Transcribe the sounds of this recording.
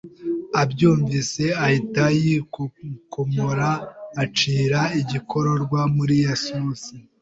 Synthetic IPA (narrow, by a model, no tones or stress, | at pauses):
abɟuːɱvise̞ahitaji | komoɾaːt͡ʃiːɾaiɟikʰo̞ɾo̞ɾɡwamuɾijasuːsi